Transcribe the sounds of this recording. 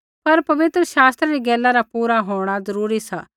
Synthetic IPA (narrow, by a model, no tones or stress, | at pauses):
pɐɾpɐʋɪt̪ɾəʃaːst̪ɾaɾiɡɛːlːaɾapuːɾaɦoːɽ̃azɐɾuːɾisaː